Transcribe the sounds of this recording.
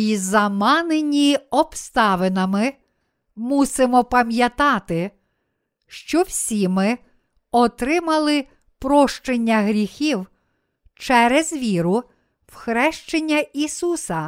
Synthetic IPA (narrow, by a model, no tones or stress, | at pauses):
izɐmɑnenʲiɔpst̪ɑʋenɐmɪ | musemɔpɐmjɐt̪ɑt̪ɪ | ʃt͡ʃɔwsʲimɪ | ɔt̪ɾɪmɐlˠɪ | pɾɔʃt͡ʃenʲːɐɦɾʲixʲiw | t͡ʃɛɾɛzʋʲiɾʊ | wxɾɛʃt͡ʃenʲːɐisusɐ